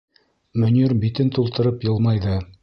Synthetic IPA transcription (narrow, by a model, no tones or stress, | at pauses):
mɵ̆nɵɾbit̪ɘnt̪ulˠt̪ɤ̆ɾɤpjɤ̆lˠmɑjðɤ